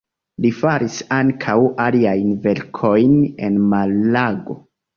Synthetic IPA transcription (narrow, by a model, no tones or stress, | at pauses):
lifaɾisaŋkʰawaliajnve̞ɾkʰo̞jne̞̰nmalːaɡo̰